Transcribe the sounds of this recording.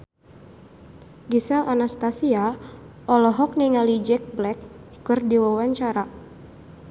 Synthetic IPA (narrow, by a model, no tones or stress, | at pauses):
ɡisɛlʔanast̪asia | ɔlɔɦɔk̚niŋalid͡ʒɛk̚blɛkː | ɨrdiwawaɲt͡ʃaɾa